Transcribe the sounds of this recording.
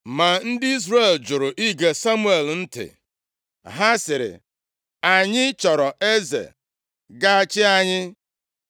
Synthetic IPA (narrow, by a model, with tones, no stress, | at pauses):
ma˨n̩˦dɪ˦i˦zre˦˨ld͡ʒʊ˨ɾʊ˨ʔi˦ɡe˨sa˦mu˦e˨ln̩˦tɪ̰˨ | ɦa˦sɪ˨ɾɪ̰˨ | a˨ɲɪ˦t͡ʃɔ˨ɾɔ˨e˦zḛ˨ | ɡa˦a˨t͡ʃɪ˦a˨ɲɪ˦